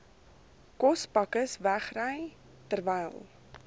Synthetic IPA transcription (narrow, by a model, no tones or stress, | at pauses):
kɔspɐkəsvæχrəj | tərvɛjlˠ